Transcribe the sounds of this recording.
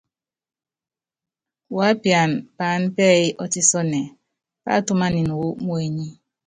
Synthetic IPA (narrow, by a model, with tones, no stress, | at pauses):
wa˨˦pja˨n˨pa˨˦n̩˦pɛ˦˨i˦ʔɔ˦ti˦sɔ˦nɛ˨ | pa̰˦˨tu˦ma˦ni˨nu˨wu˦mo˦e˨ɲi˦